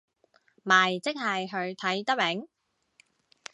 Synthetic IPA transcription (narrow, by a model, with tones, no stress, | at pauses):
maː˨˩jt͡sɪ˥k̚hɐ˨jɦɵ˨˧ɥt̪ʰɐ˨˥jt̪ɐ˥mɛ˨˥ŋ